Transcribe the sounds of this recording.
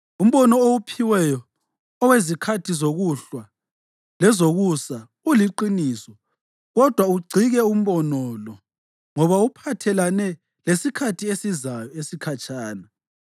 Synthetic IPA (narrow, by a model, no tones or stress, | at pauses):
um̩βɔnɔowupʰiwɛjɔ | ɔwezikʰatʰizoɣuɬwa | lɛzoɣusa | uliǃiniːsɔ | ɣɔd̥ʱwauɡ͡ǀʱiɣɛum̩βɔnɔlɔ | ŋɔβaupʰatʰɛlanɛ | lesikʰatʰiesizajɔesikʰat͡ʃʼaːna